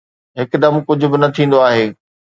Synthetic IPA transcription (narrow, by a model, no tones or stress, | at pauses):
ɦɪkd̪ɐmkʊd͡ʑʱʊ̆bɪnɐt̪ʰĩːn̆d̪oaːɦeː